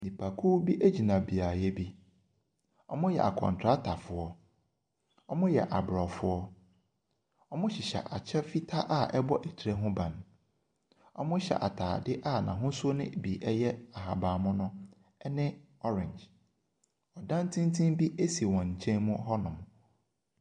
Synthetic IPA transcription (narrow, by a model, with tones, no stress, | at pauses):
nĩ˨pʰa˨kʰu˦bi˦ʔe˦d͡ʑi˨nã˨bi˨a˨jɛ˦bi˦ | ɔ̰˦mʊ̃˦jɛ̰˨a˨kʰɔ̰̃˨n˨tʰɾa˦tʰa˨fʊ˨ɔ˦ | ɔ˦mʊ̃˦jɛ̰˨ʔa˨bɾɔ˨fʊ˦ɔ˦ | ɔ˦mʊ̃˦ɕɪ˨ɕɛ̰˨ʔa̰˨t͡ɕʰɛ˦fi˦tʰa˦ʔa˦˨ʔɛ˦bɔ˦ʔɛ˨tʰi˨ɾe˦ɦʊ̃˦bã˨n˨ | ɔ̰˦mʊ̃˦ɕɛ̰˨ʔa̰˨tʰaː˨dɪ˦ʔa˦˨nã̰˨ɦʊ̃˦sʊ˦ɔ˦nɪ̰̃˦˨bi˨ʔɛ˦jɛ˦a˨ɦa˨baː˨mʊ̃˦nʊ̃˦ | nɪ̃˦ | ɔ˦ɾɪ̃˨ɲd͡ʒ | ɔ˨dã˦n˦tʰĩ˦n˦tʰĩ˦mbi˦ʔe˦si˨wɔ̃˨ɲ̩˨t͡ɕʰɛ̃˦nmʊ̃˦ɦɔ˦nʊ̃˨m˨